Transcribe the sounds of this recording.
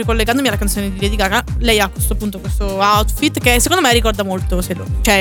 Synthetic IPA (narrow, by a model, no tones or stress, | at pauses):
ikolːeɡand̪omialakant̪oːned̪iɾed̪iɡakalɛjakːest̪oapːunt̪okwest̪oawt̪fit̪ːkesːekond̪omerːikɔrd̪amolt̪osed̪ot͡ʃɛ